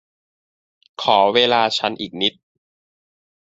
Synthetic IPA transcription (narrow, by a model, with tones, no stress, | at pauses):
kʰɔː˩˦weː˧laː˧t͡ɕʰa˦˥nʔiː˨˩k̚ni˦˥t̪̚